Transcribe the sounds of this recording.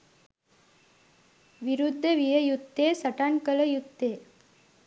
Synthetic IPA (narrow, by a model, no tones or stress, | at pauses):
ʋɪɾud̪ːɐʋɪjɐjut̪ːeːsɐʈːaːnkɐlɐjut̪ːeː